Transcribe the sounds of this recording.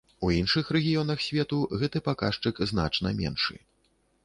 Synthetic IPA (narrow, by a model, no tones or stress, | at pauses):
uinʂɨxrɛɣʲijɔnɐxsʲvʲɛt̪uɣɛt̪ɨpakaʂt͡ʂɨkzna̰t͡ʂn̪ɐmʲɛ̰nʂɨ̰